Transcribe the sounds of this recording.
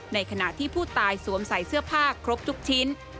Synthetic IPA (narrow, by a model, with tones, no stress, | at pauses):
na˧jkʰa˧na˨˩ʔt̪ʰiː˥˩pʰuː˥˩t̪aː˧jsuː˨˩˦əmsa˨˩jsɯ˥˩ɐpʰaː˥˩kʰːɾo˦˥p̚t̪ʰu˦˥k̚t͡ɕʰi˦˥n